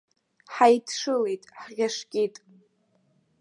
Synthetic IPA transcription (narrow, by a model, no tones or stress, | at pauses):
ħajdʰʂɨlejtʼħʁʲaʂkʲʼitʼ